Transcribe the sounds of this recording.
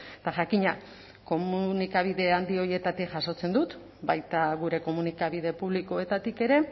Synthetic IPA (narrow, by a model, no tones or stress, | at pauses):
t̪aʝakiɲa | ko̞munikaβ̞iðe̞and̪io̞je̞t̪at̪ikʝaso̞t͡se̞nd̪ut̪ | bajt̪aɣuɾe̞ko̞munikaβið̞e̞puβ̞liko̞e̞t̪at̪ike̞ɾe̞